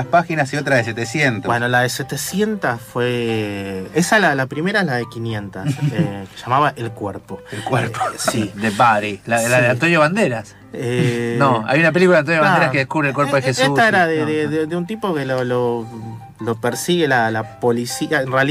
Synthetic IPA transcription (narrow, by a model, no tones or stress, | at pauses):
aspaxinasio̞t̪ɾaðeset̪esjent̪obwenolaðeset̪esje̞nt̪asfwe | esalalapɾime̞ɾaeɦlaðekinje̞nt̪aseke̥ʃamaβaʔelkweɾpo̞elkweɾpo̥sid̪epaɾilaelaðeant̪onjoβand̪eɾas | enoa̰junapelikuaðant̪onjoaneɾakeðekuβɾelkweɾpoðexeseut̪aeɾaðeðeðeðeunt̪̬ipokelolo | lo̞peɾsiɣelalapo̞lisiaenreal